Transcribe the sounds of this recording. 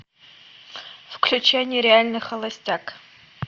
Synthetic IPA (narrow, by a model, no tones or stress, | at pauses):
fklʲʉt͡ɕanʲɪːɾʲɪalʲnɨxɐlˠɐsʲtʲak